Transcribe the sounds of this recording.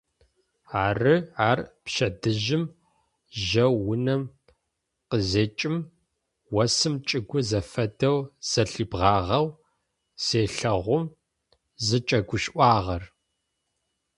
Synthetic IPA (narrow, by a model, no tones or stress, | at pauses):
aːrɨaːrpʃɐdɨʒɪm | ʒɐwːʊnɐm | qəzeːt͡ʃʼɪm | wɐsɨmt͡ʃʼɨɡʷʊzɐfɐdɐwz̥ɐɬibʁɑːʁɐw | seːɬɐʁʷʊm | zɨt͡ʃʼɐɡʷʊʃʔʷɑːʁɐr